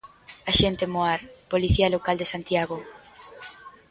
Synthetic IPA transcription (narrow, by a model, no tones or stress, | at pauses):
aʃent̪emoaɾpoliθiɐlokald̪esant̪jaɣo